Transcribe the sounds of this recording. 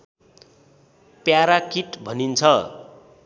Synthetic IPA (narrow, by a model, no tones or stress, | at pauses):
pjaɾakiʈbʱʌnint͡sʰʌ